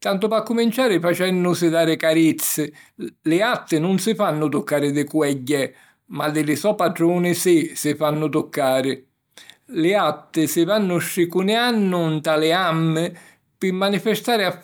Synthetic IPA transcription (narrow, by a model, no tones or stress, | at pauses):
t̪ant̪ʊpakːʊmint͡ʃaːɾɪfat͡ʃɛnːʊsɪðaːɾɪkaɾit̪sːɪlɪat̪ːɪnʊnsɪfanːʊt̪ʊkːaːɾɪd̪ɪkwɛɟːɛ | mad̪ɪlɪsɔpaʈɾuːnɪsɪsɪfanːʊt̪ʊkːaːɾɪ | lɪat̪ːɪsɪvanːʊʃːɪkunɪanːʊnt̪alɪamːɪ | pɪmːanifɪst̪aːɾɪa